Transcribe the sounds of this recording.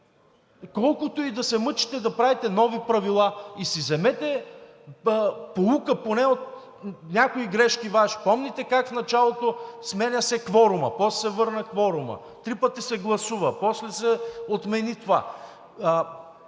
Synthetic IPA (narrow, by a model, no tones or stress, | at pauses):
kɔlˠkʊt̪oid̪ɐsɛmɤt͡ʃi̥t̪ɛd̪ɐpɾavɛt̪ɛnɔvipɾɐvilˠaisizɛmɛt̪ɛ | polˠukəponɛot̪ | nʲakoiɡɾɛʃkivaʃi̥pɔmnʲit̪ɛkakfnɐt͡ʃalˠot̪osmɛnʲɐsɛkvɔɾʊmɐ̰pɔssɛvɤɾnəkvɔɾʊmə̰ | t̪ɾipət̪isɛɡlˠɐsuvəpɔslɛsɛot̪mɛnit̪ova̰